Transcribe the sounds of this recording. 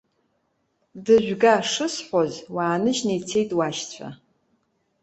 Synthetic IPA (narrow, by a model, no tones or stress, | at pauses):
dɨʒʷᶣɡaʂɨsħʷozwaːnɨʒnejt͡sʰejtʼwaʃt͡sʷʰa̰